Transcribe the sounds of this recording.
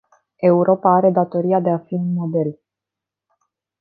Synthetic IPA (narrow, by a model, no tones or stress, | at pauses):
e̞uɾʔo̞paaɾe̞d̪at̪o̞ɾiad̪e̞afiunmo̞d̪e̞l